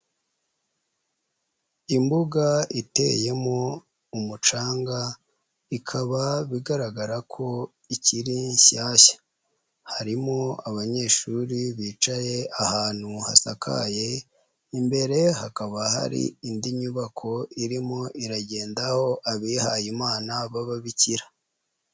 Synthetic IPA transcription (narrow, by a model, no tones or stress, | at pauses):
imbuɡaite̞̰je̞mo | umut͡ʃaːŋɡa | ikʰaβaβiɡaɾaɡaɾakʰo̞ | iciɾiɲʃaːçḁ | haɾimoaβaɲe̞ʃuɾiβiːt͡ʃaje̞ahaːn̥huha̰sakʰa̰je̞ | imbe̞ɾe̞hakaβaha̰ɾḭindiɲuβakʰo̞iɾimoiɾaɟe̞ːndaho̞ʔaβiːhajimaːnaβaβaβiciɾa